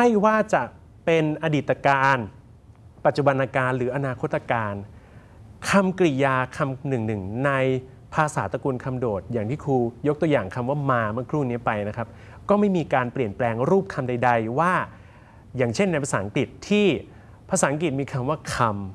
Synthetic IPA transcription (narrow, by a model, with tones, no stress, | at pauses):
ha˥˩jwaː˥˩t͡ɕa˨˩ | pe˧nʔa˧diː˨˩t̪ːa˧kaː˧n | pa˨˩t̪̚t͡ɕu˨˩ba˧nʔaː˧kaː˧nɾɯː˩˦ʔa˧naː˧kʰo˦˥t̪ːa˧kaː˧n | kʰa˧mkɾi˨˩jaː˧kʰa˧mnɯ˨˩ŋnɯ˨˩ŋna˧j | pʰaː˧saː˩˦t̪a˧kuː˧nkʰa˧mdoː˨˩t̪̚jaː˨˩ŋt̪ʰiː˥˩kʰuː˧jo˦˥k̚t̪u˧əjaː˨˩ŋkʰa˧mwaː˥˩maː˧mɯ˥˩əkʰɾuː˥˩ni˦˥ɐpa˧jna˦˥kʰa˦˥p̚ | kɔː˥˩ma˥˩jmiː˧kaː˧npli˨˩ənplɛː˧ŋɾuː˥˩p̚kʰa˧mda˧jda˧jwaː˥˩ | jaː˨˩ŋt͡ɕʰe˥˩nːa˧jpʰa˧saː˨˩˦ŋki˨˩t̪ʰːiː˥˩ | pʰa˧saː˨˩˦ŋk̬i˨˩t̪̚miː˧kʰa˧mwaː˥˩kʰa˧m